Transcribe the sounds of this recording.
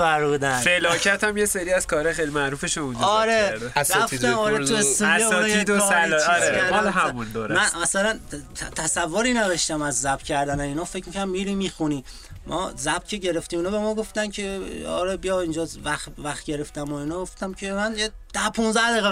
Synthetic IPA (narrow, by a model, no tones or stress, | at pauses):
æɾud̪æfelɒːcʰæt̪ʰæmjeseɾiːæz̥kʰɒːɾexejlimæɾuːfeʃoũnd͡ʒɒɾeɾæfit̪æmɒːɾet̪ʰuest̪oæeunɒjed̪osælæɾmɒlɦæmund̪oːɾmænmæsælænt̪ʰt̪ʰæsævːoɾiːneveʃt̪æmæzːæb̥̚t̪cʲʰæɾd̪ænæinɒːfecʰmikʰæɾæmmiːɾimiːxuniː | mʔɒ̰ːzæb̥t̪̚cʰʲe̞ɟe̞ɾe̞ft̪iːmiːnɒːbe̞mɒːɡo̞ft̪æncʲʰe̞ɒ̰ɾebijɒind͡ʒɒvæxvæxt̪ɟe̞ɾe̞ft̪æmoinɒːɡoft̪æmcʰemænjed̪̥æpʰũnzæhd̪eɣe